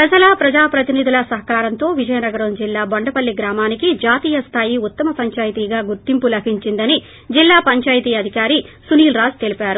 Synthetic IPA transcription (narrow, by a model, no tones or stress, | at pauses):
pɾɐd͡ʒɐlaːpɾɐd͡ʒaːpɾɐt̪inid̪ulɐsɐɦɐkaːɾɐnt̪o̞ːʋid͡ʒɐjɐnɐɡɐɾɐmd͡ʒilːaːbɐɳɖɐpɐlːiɡɾaːmaːnikid͡ʒaːt̪iːjɐst̪ʰaːjiut̪ːɐmɐpɐɲt͡ʃaːjt̪iːɡaːɡuɾt̪impulɐbʰʱiɲt͡ʃind̪ɐni | d͡ʒilːaːpɐɲt͡ʃaːjt̪iːɐd̪ʱikaːɾisuniːlɾaːd͡ʒt̪e̞lipaːɾu